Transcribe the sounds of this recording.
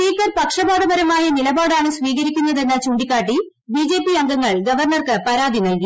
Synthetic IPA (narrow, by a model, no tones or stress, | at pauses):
spiːkːɐrpɐkʂɐbaːd̪ɐbɐɾɐmaːjɐnilɐbaːɽaːɳɨsʋiːɣɐɾikʲːunːɐðenːɐt͡ɕuːɳɖikʲːaːʈːi | biːd͡ʑe̞ːpːiɐŋɡɐŋːɐɭɡɐʋɐrɳɐrkɨpɐɾaːd̪ʱinɐlki